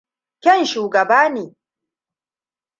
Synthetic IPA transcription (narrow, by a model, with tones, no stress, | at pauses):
kʲɛ˦˨nʃuː˨ɡɐ˨baː˦niː˨